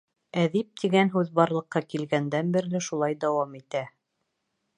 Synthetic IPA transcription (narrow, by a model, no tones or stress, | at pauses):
æðip̚t̪iɡænɦʉðbɑɾlˠɤ̆qːɑkilɡænd̪ænbɘ̆ɾlɘʃulˠɑjd̪æwɑmit̪æ